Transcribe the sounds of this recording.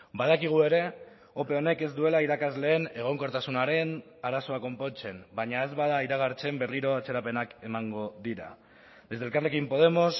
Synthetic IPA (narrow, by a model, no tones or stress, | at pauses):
bað̞akiɣ̞ue̞ɾe̞ | o̞pe̞o̞ne̞ke̞zd̪ue̞laiɾakazle̞ːne̞ɣ̞o̞ŋko̞ɾt̪asunaɾe̞n | aɾaso̞ako̞mpo̞t͡se̞nbaɲae̞zβaðaiɾaɣ̞aɾt͡se̞mbe̞rliɾo̞at͡se̞ɾape̞nake̞maŋɡo̞ðiɾa̰ | d̪e̞zðelkarle̞kimpo̞ð̞e̞mo̞s